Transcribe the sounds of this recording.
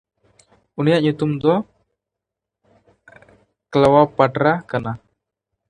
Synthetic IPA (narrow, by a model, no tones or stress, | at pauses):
unijaʔɲut̪umd̪ɔ | kəlawapaʈɾakana